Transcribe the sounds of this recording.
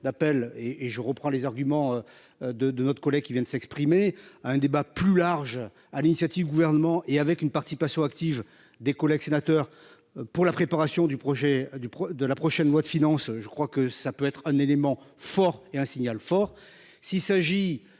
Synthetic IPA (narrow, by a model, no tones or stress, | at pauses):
d̪apɛleʔeʒəʁəpχɑ̃lezaʁɡʲymɑ̃ø | d̪əd̪ənɔt̪χəkɔlɛɡ̚kʲivjɛ̃d̪əsɛkspχimeaɛ̃d̪ebaplylaʁʒ | alinisjat̪ivd̪yɡuvɛʁnəmɑ̃ʔeavɛkynpaʁt̪isipasjɔ̃akt̪iv | d̪ekɔlɛɡsenat̪œʁ | puʁlapχepaʁasjɔ̃d̪ypχɔʒɛd̪ypɔd̪əlapχɔʃɛnlwad̪əfinɑ̃sʒəkχwakəsapøɛt̪χɛ̃nelemɑ̃fɔʁeɛ̃siɲalfɔʁ | silsaʒi